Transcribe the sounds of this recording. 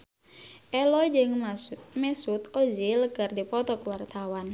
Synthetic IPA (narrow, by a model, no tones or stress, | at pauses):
ʔɛlɔjd͡ʒɪŋmɛsut̪oziləɡərdipɔt̪ɔkuwart̪awan